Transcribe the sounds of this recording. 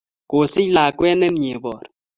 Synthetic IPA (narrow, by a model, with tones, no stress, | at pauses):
ko˨sɪ˦la˨kwɛ˦nɛ˦mɲe˨bɔ˨ɾ